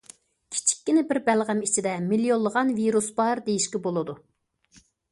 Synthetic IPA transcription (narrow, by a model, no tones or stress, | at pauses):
kʲʰi̥t͡ʃʰi̥kʲːinɪbɪɾbɛlʁæmit͡ʃʰid̪ɛmiljonlˠːəʁɑnviɾusbɑɾd̪ejiʃkʲɛbolˠɨd̪u